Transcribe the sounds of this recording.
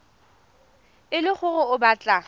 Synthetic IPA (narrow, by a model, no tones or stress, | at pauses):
ɪlɪχʰʊrʊʊbaːt͡ɬʼa